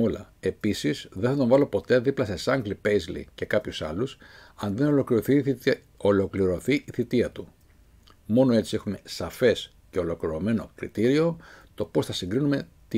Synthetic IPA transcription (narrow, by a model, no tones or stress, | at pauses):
olɐ̰e̞pisizðenθɐt̪o̞ɱvɐlo̞po̞t̪e̞ðiplɐsesɐŋɡlipejzlḭce̞kɐpçusɐlusɐnd̪inolokliɾoθi | olo̞kliɾo̞θiʔiθit̪iɐt̪u | mo̞no̞e̞t͡sie̞xume̞sɐfe̞s | ce̞o̞lo̞kliɾo̞me̞no̞kɾḭt̪iɾio̞t̪o̞po̞sθɐsiŋɡɾinume̞ | t̪i